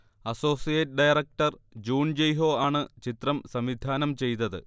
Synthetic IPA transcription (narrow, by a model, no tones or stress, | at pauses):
ɐso̞ːsijɐʈ̚ɨɖɐjrɐk̚ʈɐrd͡ʑuːnd͡ʑejɦo̞ːaːɳɨt͡ɕit̪rɐmsɐmʋid̪ʱaːnɐmt͡ɕe̞jt̪ɐðɨ̰